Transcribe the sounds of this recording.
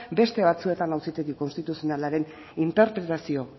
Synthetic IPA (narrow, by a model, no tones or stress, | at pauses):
be̞st̪e̞βat͡sue̞t̪anawsit̪eɣiko̞nst̪it̪usio̞nalaɾe̞n | int̪e̞ɾpɾe̞t̪asio̞